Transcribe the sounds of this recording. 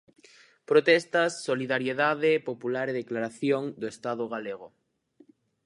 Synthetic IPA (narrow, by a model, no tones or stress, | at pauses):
pɾot̪ɛst̪asːoliðaɾjeðaðepopulaɾeðeklaɾaθjoŋd̪oest̪aðoɣ̞aleɣo